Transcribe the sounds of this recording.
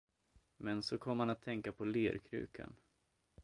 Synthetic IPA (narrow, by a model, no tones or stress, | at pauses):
mɛnsɔkʰɔmːəanat̪ʰːɛŋkapʰɔleːɾkʰɾʉ̟̰ːkʰa̰n